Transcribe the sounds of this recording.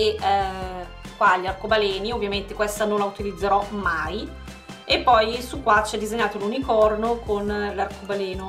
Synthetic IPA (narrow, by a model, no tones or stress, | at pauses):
e | kwaʎːarkobalɛːniovːjament̪ekwɛst̪anonlaut̪ilid̪zːeɾɔmaj | epːɔjsukːwat͡ʃɛd̪ːizeɲːaːt̪olunikɔrnokʰonlarkobalɛːno